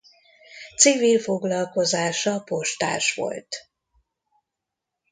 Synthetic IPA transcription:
t̪sivilfo̞ɡlɒlko̞zaːʃɒpo̞ʃt̪a̰ːʃʋo̞̰lt̪

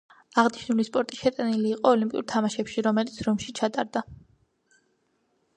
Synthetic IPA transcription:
aʁniʃnulispʼɔɾt̪ʼiʃɛt̪ʼɛniliːqʼɔːlimpʼḭṵɾt̪ʰamaʃɛpʃiɾɔmɛlit̪sʰɾɔmʃit͡ʃʰat̪ʼaɾd̪a

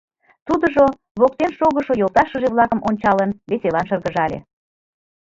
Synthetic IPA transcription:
t̪ud̪əʒo | βok̚t̪enʃoɣəʃojolˠt̪ɑʃə̆ʒeβlɑkəmʔonʲt͡ɕɑlənβeselɑnʃərɣəʒɑlʲḛ

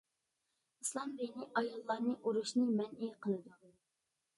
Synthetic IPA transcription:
ɨslˠɑmbenɪʔɑjɑlˠːɑɾnɨʔuɾuʃnɨmɛnʔiqʰəlˠɨd̪u

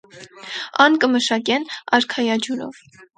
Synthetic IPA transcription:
ɑnkəməʃɑkɛnɑɾkʰɑjɑd͡ʒuɾɔ̰v

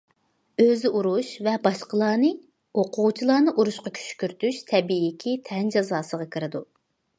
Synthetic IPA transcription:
øzɪʔuɾuʃvɛbɑʃqəlˠɑːnɨ | oqʰʊʁut͡ʃʰilˠɑːnɨʔuɾuʃqɑkʲʰy̥ʃkʲyɾt̪yʃt̪ʰɛbikʲʰit̪ʰɛnd͡ʒɑzɑːsəʁɑkʲʰɨɾɨd̪ṵ

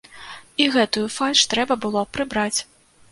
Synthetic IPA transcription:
iɣɛt̪ujufalʲʂt̪ɾɛbɐbɨlˠɔpɾɨbɾat͡sʲ

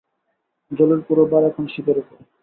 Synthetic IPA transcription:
d͡ʑɔleɾpuɾobaɾɛkʰonʃit̪oɾekʰo

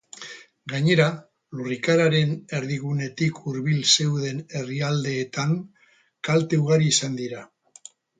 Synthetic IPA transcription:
ɡaɲe̞ɾa | lurikaɾaɾe̞ne̞ɾðiɣune̞t̪ikʰuɾβilse̞wðe̞ne̞riald̪e̞ːt̪aŋ | kalt̪e̞uɣ̞aɾiːsand̪iɾa

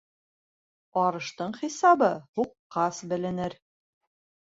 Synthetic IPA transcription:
ɒɾɤ̆ʃt̪ɤɴχisɑβɤhuqːɑsbɘ̆lɘ̆nɘɾ

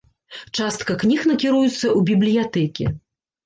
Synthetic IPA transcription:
t͡ʂast̪kɐknʲixnɐkʲiɾujut̪sːɐʔubʲiblʲijat̪ɛkʲḭ

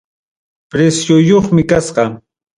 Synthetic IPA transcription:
pɾesjʊjoχmɪkasqɑ

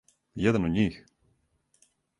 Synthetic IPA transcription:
jɛd̪anod̪ɲix

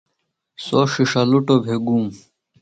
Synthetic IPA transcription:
soʂiʂaluʈobʱeɡuːm

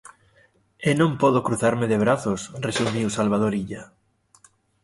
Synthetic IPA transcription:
enõmpɔðokɾuθaɾmeðeβ̞ɾaθosresumiwsalβ̞að̞oɾiʎa

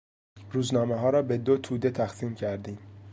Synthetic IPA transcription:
ɾuːznɒːmeɦɒːɾɒːbe̞d̪ot̪ʰuːd̪e̞t̪ʰæxsiːmcʰæɾd̪iːm

